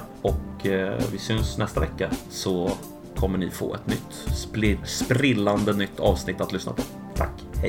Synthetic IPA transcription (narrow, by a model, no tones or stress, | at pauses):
ɔkvɪsʏnsnɛst̪avɛkːasɔ | kʰɔmːəɳɪfo̰ːɛ̰t̪nʏt̪ː | spɾɪlːand̪ənʏt̪ːɑːvsnɪt̪ːat̪lʏsna̰pʰɔ | t̪ʰa̰kː | hɛ